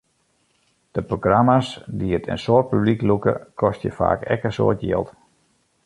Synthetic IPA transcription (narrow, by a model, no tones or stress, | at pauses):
d̥əproɡramasdiətʰə̰nsoːt̚pybliklukə̰kʰɔstjəfa̰ːkɛ̰kənso̰ːtjɪ̰ːlˠt